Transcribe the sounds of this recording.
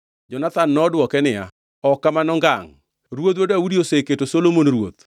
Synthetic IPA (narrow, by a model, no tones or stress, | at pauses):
d͡ʒɔnat̪anːɔdwɔkɛnɪja̰ | ɔkːamanɔŋɡaŋ | ɾwot̪̬wodoawudioseketosolomonɾwo̰t̪